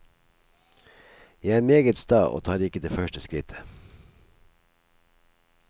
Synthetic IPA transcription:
jæɪæːɾmeːɡət̪st̪ɑːʔo̰ːt̪ʰɑːd̪ɪkəd̪eːfœʃʈəskɾɪt̪ʰə̥

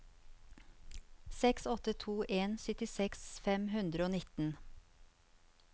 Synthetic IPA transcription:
sɛksɔt̪ət̪ʰuːʔeːnsʏt̪ɪsɛksfɛmhʉnd̪ɾəoːnɪt̪n̩

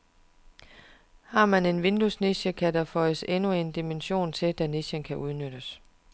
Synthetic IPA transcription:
hɑ̈mæne̝nʋe̝nd̥usniɕəkʰædɑfɒ̽ɪəsenue̝nd̥imenɕo̝̰ːnt͡sʰe̝d̥æniɕənkʰæʔuðˠnød̥əs

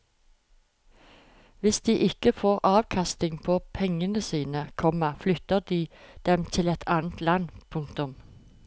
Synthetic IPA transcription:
ʋɪsd̪̥iːʔɪkəfoːʁʔɑːʋkʰɑst̪ɪŋpʰoːpʰɛŋənəsiːnəkʰɔməflʏt̪əʁd̪iːd̪̥ɛmt̪ʰɪlɛt̪ʰɑːnət̪lɑnpʰʊŋkt̪ʊm

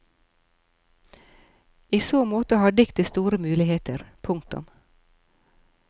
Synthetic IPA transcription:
iːsoːmoːt̪əhɑːɖɪkt̪əst̪uːɾəmʉːlɪheːt̪əɾpʰʊŋk̚t̪ʊ̰m

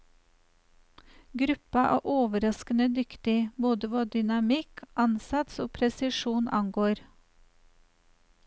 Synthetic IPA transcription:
ɡɾʉpɑʔɑ̰ːʔoːʋəɾɑskənəd̪ʏkt̪ɪboːd̪əʋɑːd̪ʏnɑmɪkʔɑnsɑt̪soːpʰɾɛsɪʃuːnʔɑ̰ŋɡoːɾ

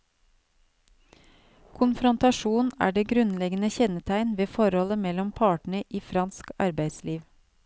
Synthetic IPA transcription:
kʰʊnfɾɔnt̪ɑʃuːnæ̰ːɖeːɡɾʉnlɛɡənəçɛnət̪ʰæɪnʋeːfɔɾhɔləmɛlɔmpʰɑːʈɳ̩əʔiːfɾɑnskɑ̰ɾbæɪsliːʋ

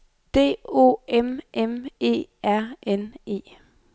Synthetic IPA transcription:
d̥e̝̰ːo̝̰ːemʔeme̝̰ːæɐ̰ʔene̝̰ː

